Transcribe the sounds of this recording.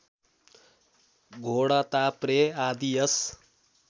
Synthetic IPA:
ɡʱoɽat̪apɾeaːd̪ijʌs

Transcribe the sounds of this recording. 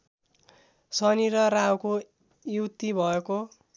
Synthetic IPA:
sʌniɾʌrawko | juwt̪ibʱʌeko

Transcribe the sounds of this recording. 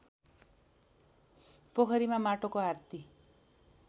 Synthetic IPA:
pokʰʌɾimamaʈokɔaɾt̪i

